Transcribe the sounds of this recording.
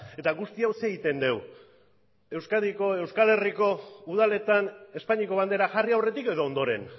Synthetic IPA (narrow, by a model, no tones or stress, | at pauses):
e̞t̪aɣust̪iawseːɣit̪e̞nd̪e̞w | e̞wskaðiko̞e̞wskale̞riko̞uðale̞t̪ane̞spaɲiko̞β̞and̪e̞ɾaʝariawre̞t̪ike̞ðo̞ːnd̪o̞ɾe̞̰n